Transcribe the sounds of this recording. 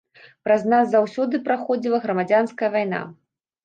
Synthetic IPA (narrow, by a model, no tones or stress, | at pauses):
pɾɐznazːawsʲɔd̪ɨpɾaxɔd͡zʲilˠɐɣɾɐmad͡zʲanskɐjɐvajna̰